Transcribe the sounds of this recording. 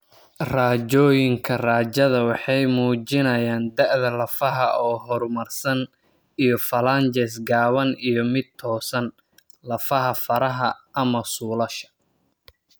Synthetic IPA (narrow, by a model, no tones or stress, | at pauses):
raːt͡ʃɔːjɪŋkʰɐraːt͡ʃɐðɐwɑħɑjmuːt͡ʃɪnɐjaːnd̪ɐʕðɐlɐfɐɦɐɔːɦɔrmɐrsɐn | ijɔfɐlant͡ʃɛsɡaːβɐnijɔmɪd̪̚t̪ʰɔːsɐn | lɐfɐɦɐfɐɾɐɦɐɐmɐsuːlɐʃɐ̥